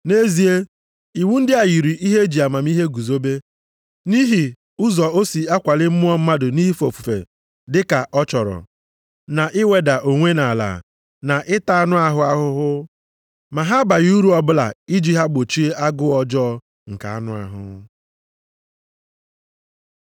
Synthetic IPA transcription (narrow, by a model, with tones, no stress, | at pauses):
ne˦zi˦e˦ | i˨wu˦n̩˦dɪ˦a˨ji˨ɾi˨ʔi˦ɦe˦d͡ʒi˨a˨ma˨m˦i˦ɦe˦ɡu˨zo˦be˦ | ni˦ɦi˨ | ʊ˦zɔ˨o˦si˨a˦kʷa˨lɪ˦m̩˦mʊ˦ɔ˦m̩˦ma˦dʊ˨ni˦ɦi˦fo˨fu˨fḛ˨ | dɪ˦ka˨ʔɔ˦t͡ʃɔ˨ɾɔ̰˨ | na˨ʔɪ˦we˨da˨ʔo˨ŋʷe˦na˨la̰ː˨ | na˨ʔɪ˦ta˨a˦nʊ˦a˦ɦʊ˦a˦ɦʊ˦ɦʊ˦ | ma˨ɦa˦ba˨ɣi˦u˦ɾu˦ɔ˦bʊ˦la̰˨i˦d͡ʒi˦ɦa˦ɡ͡bo˨t͡ʃi˦e˦ʔa˦ɡʊ˦ɔ˦d͡ʒɔ˦ | ŋ̩˨ka̰˨a̰˦nʊ˦a̰˨ɦʊ̰˨